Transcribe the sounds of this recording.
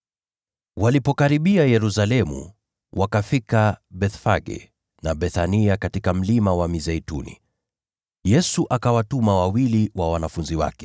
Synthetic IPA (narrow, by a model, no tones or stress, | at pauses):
walipɔkaɾiɓiajɛɾusalɛmṵ | wʔakafikaɓɛθfaɡɛ̰ | naɓɛθaniakatikam̩limawamizɛitṵnḭ | jɛsuʔakawatumawawiliwawanafunziwa̰kɛ̥